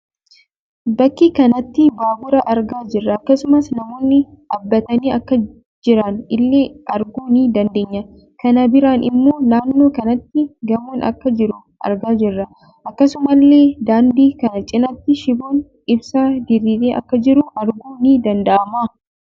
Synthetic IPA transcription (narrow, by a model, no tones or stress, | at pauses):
bɐkːiːkɐnɐt̪ːɪbaːbʊɾɐʔɐɾɡaːd͡ʒɪrːɐːkːɐsʊmɐsnɐmo̞ːnːɪʔɐbːɐt̪ɐniːɐkːɐ | d͡ʒɪɾɐnɪlːe̞ːʔɐɾɡuːniːd̪ɐnd̪e̞ːɲːɐ | kɐnɐbɪɾanʔɪmːo̞ːnaːnːo̞ːkɐnɐt̪ːɪɡɐmoːnʔɐ̰kːɐd͡ʒɪɾʊ | ʔɐ̰ɾɡaːd͡ʒɪrːɐ | ʔɐkːɐsʊmɐlːe̞ːd̪aːnd̪iːkɐnɐt͡ʃʼɪnɐt̪ːɪʃɪbo̞ːn | ɪbsaːd̪ɪɾiːleːʔɐ̰kːɐd͡ʒɪɾʊʔɐɾɡuːniːd̪ɐnd̪ɐʔɐmaː